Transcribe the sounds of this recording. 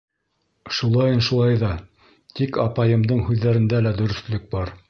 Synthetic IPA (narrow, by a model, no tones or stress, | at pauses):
ʃulˠɑjɤnʃulˠɑjðɑ | t̪ikɑpɑjɤ̆md̪ɤɴhʉðːæɾɘ̆nd̪ælæd̪ɵ̆ɾɵ̆θlɵk̚bɑɾ